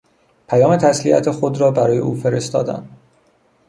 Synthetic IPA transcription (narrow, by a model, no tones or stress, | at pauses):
pʰæjɒːme̞t̪ʰæsliæ̰t̪ʰexod̪ɾɒːbæɾɒːje̞̰ʔṵːfe̞ɾe̞st̪ɒ̰ːd̪æ̰nd̪